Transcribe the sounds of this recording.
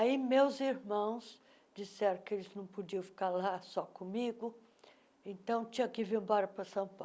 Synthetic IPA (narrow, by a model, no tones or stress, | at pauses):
aimewziɾmɐ̃w̃s | d͡ʒisɛɾɐ̃kɪelɪznɐ̃w̃pod͡ʒiɐ̃w̃fi̥kaɾlasɔkõmiɡʊ | ẽnt̪ɐ̃w̃t͡ʃĩɲɐkɪvẽbɔɾɐpɾɐsɐ̃w̃pa